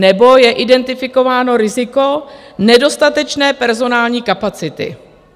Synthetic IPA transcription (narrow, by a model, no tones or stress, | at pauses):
nɛbo̞jɛʔɪdɛnt̪ɪfɪko̞vaːno̞ɾɪzɪko̞nɛdo̞st̪at̪ɛt͡ʃnɛːpɛɾzo̞naːlɲiːkapat͡sɪt̪ɪ̰